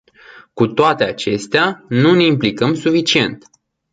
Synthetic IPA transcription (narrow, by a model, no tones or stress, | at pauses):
kut̪oat̪e̞at͡ʃe̞st̪eanuneimplikəmsufit͡ʃie̞nt̪